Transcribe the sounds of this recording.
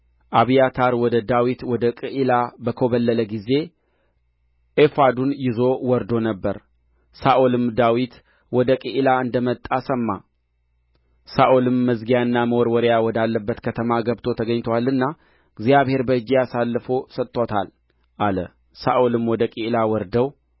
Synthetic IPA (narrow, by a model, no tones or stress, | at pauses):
ʔaβijat̪ʰaɾwɔd̪əd̪awit̪wɔd̪əkʼɨʔilabəkʰo̞βəlːələɡize̞ | ʔefad̪unjɪzo̞wɔɾd̪o̞nəbːəɾ | saʔolɨmd̪awit̪ | wɔd̪əkʼɨʔilaɨnd̪əmət̪ʼːasəmːa | saʔolɨmːəzɡijaɨnːaməwɔɾwɔɾjawɔd̪alːəbːət̪kʰət̪ʰəmaɡəbt̪ʰo̞t̪ʰəɡəɲt̪ʰəwalːɨnːa | ɡzjaβhe̞ɾbəɨd͡ʒːijasalːfosət̪ʼːot̪ʰa̰l | ʔalə | saʔolɨmwɔd̪əkʼiʔlawɔɾd̪əw